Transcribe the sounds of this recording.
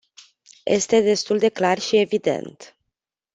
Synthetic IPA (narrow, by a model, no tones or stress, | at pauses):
jʔe̞̰st̪e̞d̪e̞st̪uld̪e̞klarʃie̞vid̪e̞̰nt̪